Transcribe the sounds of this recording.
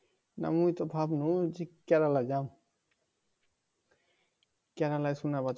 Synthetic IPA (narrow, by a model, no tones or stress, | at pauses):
na̰mujt̪ɔbʱabnud͡ʒekɛɾalad͡ʒam | kɛɾalajsunaba